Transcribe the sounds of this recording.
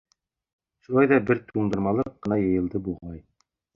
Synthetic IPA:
ʃulˠɑjðɑbɘɾt̪ʰuɴd̪ɤ̆ɾmɑlˠɤq̚ːɤ̆nɑjɤ̆jɤ̆lˠd̪ɤbuʁɑj

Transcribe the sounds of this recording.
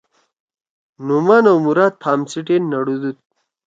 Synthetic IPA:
numaːnɐwmuɾaːt̪̚pʰaːmt͡siʈenːɐɽud̪ut̪̚

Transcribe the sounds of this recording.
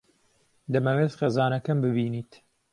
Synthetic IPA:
d̪ɐmɐweːt̪xeːzaːnɐkɐmbɨbiːniːt̪

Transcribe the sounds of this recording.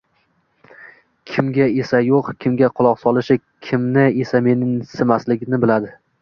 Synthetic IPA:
kʲʰɪmɡʲae̞sajoqkʲʰɪmɡʲaqʰʊlˠɒqsɒlˠɪʃɪ | kʲʰɪmnɪe̞same̞nɪŋsɪmaslɪɡʲɪnɪbɪlad̪ɪ

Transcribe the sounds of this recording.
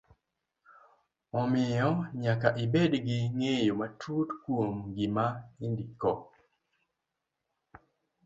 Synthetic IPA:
ɔmɪɔɲakaʔɪbedɡɪŋejomatʰutkwomɡɪmaindikɔ

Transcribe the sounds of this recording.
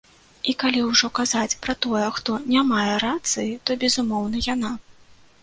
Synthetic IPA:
ikalʲiwʐɔkazat͡sʲpɾɐt̪ɔjɛxt̪ɔnʲamajɛɾat̪sɨjit̪ɔbʲɛzumɔwn̪ɐjana

